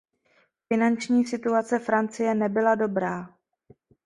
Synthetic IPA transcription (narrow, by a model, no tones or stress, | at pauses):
fɪnant͡ʃɲiːsɪt̪uat͡sɛfɾant͡sɪjɛnɛbɪlado̞bɾaː